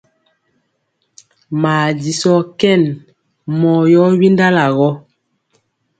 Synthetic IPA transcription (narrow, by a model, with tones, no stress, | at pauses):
maː˨di˨sɔ˦kɛ˦˨n | mɔ˨jɔ˦wi˦nda˦la˨ɣɔ˦